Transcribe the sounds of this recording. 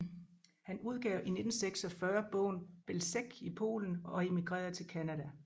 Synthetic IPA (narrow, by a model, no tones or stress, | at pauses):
hænuð̞ˠɡ̥ɛʊʔine̝d̥n̩seɡ̥sɒ̽fɶɐb̥ɔ̰̽ʊnb̥elseɡ̥ipʰo̝̰ːln̩ɒ̽e̝miɡ̥ʁɛ̰ːɐðˠt͡sʰe̝lkʰænædæ